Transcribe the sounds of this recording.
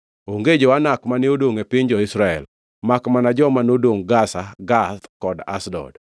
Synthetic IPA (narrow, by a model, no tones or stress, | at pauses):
oŋɡed͡ʒowanakmanɪodwoŋepɪɲd͡ʒɔɪsɾaɛ̰l | makmanad͡ʒɔmanodoŋɡasaɡat̪kɔda̰sdɔ̰d